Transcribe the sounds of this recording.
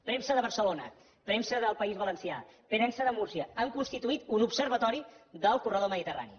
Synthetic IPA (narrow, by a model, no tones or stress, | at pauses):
pɾɛmsəðəβəɾsəlonə̰ | pɾɛmsəðəlˠpəizβələnsia̰pənɛnsəðəmuɾsiəəŋkunst̪it̪uit̪unupsəɾβət̪ɔɾiðəlˠkurəð̞oməðit̪əra̰nḭ